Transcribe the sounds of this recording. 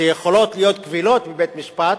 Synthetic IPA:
ejeχo̞lo̞t̪lijo̞t̪kvilo̞t̪bibet̪miʃpat̪

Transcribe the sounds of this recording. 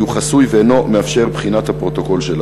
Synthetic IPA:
uχasujveeno̞meafʃe̞ʁbχinat̪hapʁo̞t̪o̞ko̞lʃel

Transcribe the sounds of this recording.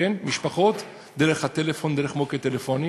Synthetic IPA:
enmiʃpaχot̪ | d̪eʁeχhat̪elefo̞nd̪eʁeχmoket̪elefoni

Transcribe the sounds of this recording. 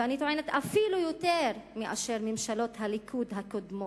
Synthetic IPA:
anit̪oʕenet̪afilujot̪eʁmiʔa̰ʃeʁmimʃalo̞t̪halikʰud̪ɦakod̪mo

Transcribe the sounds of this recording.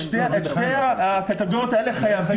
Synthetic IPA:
ʃteʃtejaakat̪aɡoʁot̪aeleχajavi

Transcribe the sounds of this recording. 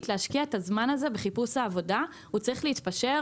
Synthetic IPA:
tleaʃkiaetazmanaze̞beχipusaːvo̞da | ut͡sʁiχleitpaʃe̞

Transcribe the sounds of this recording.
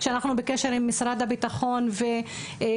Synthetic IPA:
ʃeanaχnubekeʃe̞ɾimːisɾad̪abit̪aχo̞nve

